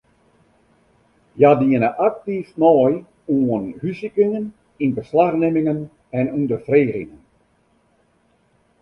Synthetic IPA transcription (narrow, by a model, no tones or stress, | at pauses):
jadiənəʔak̚tifnɔːj | uənhysikɪŋən | inbəslaxnɪmɪŋən | ɛnundəfreːrɪŋən